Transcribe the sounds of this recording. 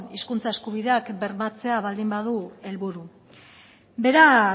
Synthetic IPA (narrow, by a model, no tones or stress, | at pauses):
niskunt͡sae̞skuβ̞iðe̞akbe̞ɾmat͡se̞aβald̪imbaðue̞lβuɾu | be̞ɾa